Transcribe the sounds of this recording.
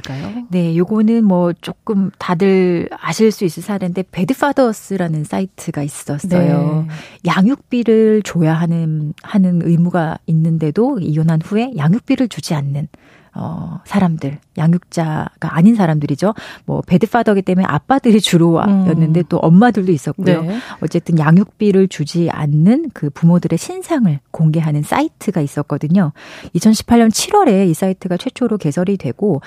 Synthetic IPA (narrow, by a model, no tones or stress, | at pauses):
k͈ajone̞joɡonɯnmwʌt͡ɕ͈ok͈ɯmtadɯɭaɕʰiɭs͈uis͈ɯɭsʰaɾende̞pe̞dɯpʰadʌs͈ɯɾanɯns͈aitʰɯɡais͈ʌs͈ʌjojaŋjuk̚p͈iɾɯɭt͡ɕojaɦanɯhanɯnɯ̰imuɡainːɯnde̞doijonɦanɸue̞jaŋjuk̚p͈iɾɯɭt͡ɕud͡ʑianːɯn | ʌ̰sʰaɾamdɯɭjaŋjuk̚t͡ɕ͈aɡ̥aaɲinsʰaɾamdɯɾid͡ʑomwʌ̰pe̞dɯp͈ʰadʌɡit͈e̞mueʔa̰p͈adɯɾit͡ɕuɾowa̰jʌnːɯnde̞t͈oʔʌ̰mːadɯɭdois͈ʌt̚k͈ujoʌt͡ɕ͈e̞t͈ɯnjaŋjuk̚p͈iɾɯɭt͡ɕud͡ʑia̰nːɯnkɯpumodɯɾe̞ɕʰinsʰaŋɯɭkoŋɡe̞ɦanɯns͈a̰itʰɯɡais͈ʌk͈̚ʌdɯɲoit͡ɕʰʌnɕʰi̥pʰaɭɲʌnt͡ɕʰiɾwʌɾe̞is͈aitʰɯɡat͡ɕʰwe̞t͡ɕʰoɾoke̞sʰʌɾidwe̞ɡ̥o